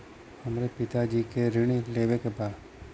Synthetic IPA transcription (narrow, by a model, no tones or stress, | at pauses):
həmɾepɪt̪ad͡ʒiːkeɾɪɽ̃ileːʋekepaːs